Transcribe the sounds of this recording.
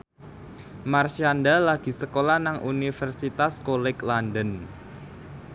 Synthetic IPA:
marʃandalaɡ̥i̤səkolanaŋʔunifərsit̪askolɛklandən

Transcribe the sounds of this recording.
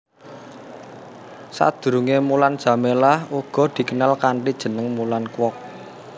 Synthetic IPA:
sa̰d̪̥ṳɾuŋemuland̥ʒ̥ä̤melahuɡ̥ɔ̤d̪̥i̤kənalkaɳʈid̥ʒ̥ə̤nəŋmulankwɔk̚

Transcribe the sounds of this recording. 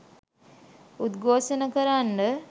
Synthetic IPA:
ut̪ɡoːʃənəkəɾanːə

